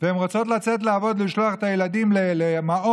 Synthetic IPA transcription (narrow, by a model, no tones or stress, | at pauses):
veemʁot͡so̞t̪̬lat͡set̬leavo̞d̪liʃloaχet̪ajelad̪imlelemao